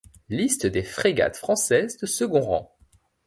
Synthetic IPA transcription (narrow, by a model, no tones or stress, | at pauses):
list̪d̪efχeɡa̰t̪fχɑ̃sɛzd̪əsəɡɔ̃ʁɑ̰̃